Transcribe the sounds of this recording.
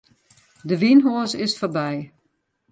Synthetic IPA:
dəʋinɦoəsɪsforbɛj

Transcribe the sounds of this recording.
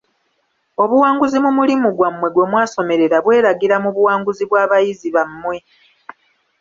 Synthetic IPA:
o̞βuwaːŋɡuzimumulimuɡwamːwe̞ɡwo̞ːmwaːso̞me̞ɾe̞ɾaβwe̞ːɾaɡiɾamuβuwaːŋɡuziβwaːβajiziβamːwe̞

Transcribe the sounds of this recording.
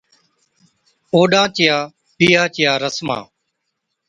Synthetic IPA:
oːɗãːt͡ʃɪjaː | piːaːt͡ʃɪjaːɾəsmã̰ː

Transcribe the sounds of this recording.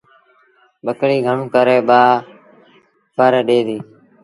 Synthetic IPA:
ɓəkɽiːɡʱəmkəɾeːɓaː | pəɾɗeːd̪iː

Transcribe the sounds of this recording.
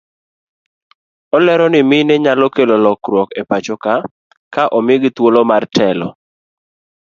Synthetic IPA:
ɔlɛɾɔnɪmɪnɛɲalɔkelolɔkɾwɔkepat͡ʃɔka | kaʔɔmɪɡt̪wolomartʰɛlɔ̰

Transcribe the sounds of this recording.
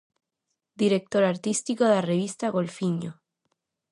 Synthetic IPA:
d̪iɾek̚t̪oɾaɾt̪ist̪ikoðelareβist̪aɣo̞lfiɲo̰

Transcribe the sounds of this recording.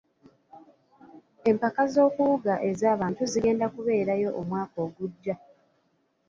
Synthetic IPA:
e̞mpakazo̞ːkuuɡaʔe̞zaːβaːntuziɡe̞ːndakuβe̞ːɾajo̞ʔomwaːkoːɡuɟːa

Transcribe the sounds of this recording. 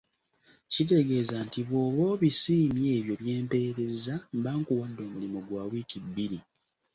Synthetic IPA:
cit̬e̞ɡe̞ːzantiβoːβo̞ːβisiːmje̞ːβjo̞βje̞ːmpe̞ːɾe̞zambaːŋkuwadːo̞ːmulimoɡwaːwiːkibːiɾi

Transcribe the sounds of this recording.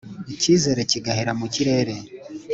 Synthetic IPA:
iciːze̞ɾe̞ciɡaheɾamuciɾe̞ːɾe̞

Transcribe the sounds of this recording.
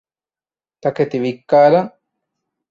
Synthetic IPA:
t̪aket̪iβikːaɾa

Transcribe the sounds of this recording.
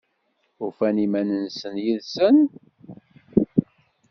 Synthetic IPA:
uɾfænimænənsənjiðsən

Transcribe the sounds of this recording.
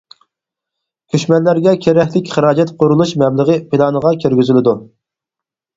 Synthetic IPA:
kʲʰøʃmɛlːæɾɡʲɛkʲʰeɾɛkʲlɪkʲχəɾɑːd͡ʒɛt̪qʰʊɾulˠuʃmɛbləʁəpʰɪlˠɑnəʁɑkʲʰeɾɡʲyzɪlɪd̪u

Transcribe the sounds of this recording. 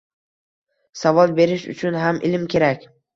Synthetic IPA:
savɒlˠbe̞ɾɪʃʊ̰t͡ʃʰʊnɦamʔɪ̰lɪmkʲʰe̞ɾakʲ

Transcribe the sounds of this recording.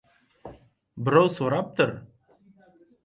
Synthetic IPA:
bɪɾɑwsuɾɑp̚t̪ɤɾ

